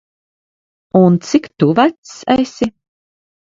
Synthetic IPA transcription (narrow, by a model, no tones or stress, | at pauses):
unt̪sikt̪uvæt̪sɛjsi